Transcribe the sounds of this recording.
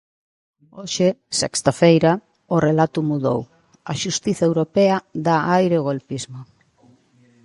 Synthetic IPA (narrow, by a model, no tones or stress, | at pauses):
oʃesɛ̰kst̪afejɾa | orelat̪ʊmuðo̰w | ɐʃust̪iθɐewɾopeaðaajɾeɣolpizmo